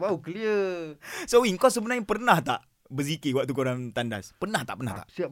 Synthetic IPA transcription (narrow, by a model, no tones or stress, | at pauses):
baukliə | sowiŋkɔsəbənãjpərnaht̪aʔ | bəzikewaʔ̚t̪ukuɾant̪andaspənaht̪a̰ʔpəna̰ht̪a̰ʔsia